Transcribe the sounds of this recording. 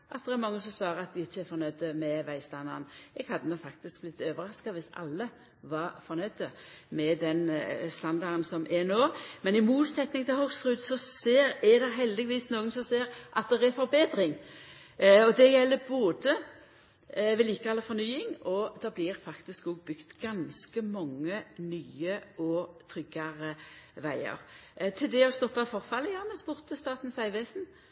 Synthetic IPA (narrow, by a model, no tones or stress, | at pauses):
ʔɑt̪d̪ɛɛɾmɑŋːəsɔmsʋɑːɾəɾɑt̪̚d̪ɪɪçːəæɾfɔɾnœʏd̪əmɛʋæɪst̪ɑnɑ̰nɛɡ̥hɑd̪ːənɔfɑk̚t̪ɪsk̚blɪt̪ːøːʋəɾɑskɑʋɪsɑ̰lːə | ʋɑfɔɾnœʏd̪əmɛd̪ɛnst̪ɑnd̪ɑɾnsɔmʔɛnoːmɛnɪmuːt̪sɛt̪nɪŋt̪ʰɪlhɔɡsɾʉːd̪sɔseːɾæd̪ɛɦɛld̪ɪʋiːsnoːɡənsɔmseːɾʔɑt̪̚d̪ɛɾæɾfɔɾbeːd̪ɾɪŋ | ɔd̪ɛjɛlːəboːd̪ə | ʋɛliːkɑlːəfɔɾnyːɪŋɔd̪ɑblɪɾfɑkt̪ɪskɔɡ̚bʏɡt̪ɡ̥ɑnskəmɔŋːənyːəʔɔt̪ʰɾʏɡɑɾəʋæɪə̰ɾt̪ʰɪld̪ɛɔst̪ɔpːɑfɔʁfɑlːəjɑːmɛspʊʁt̪əst̪ɑːt̪n̩sæɪʋeːsn̩